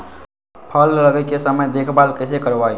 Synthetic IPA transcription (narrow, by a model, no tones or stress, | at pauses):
pʰəlləɡəjkesəməjd̪eːkʰbaːlkəsekəɾʋai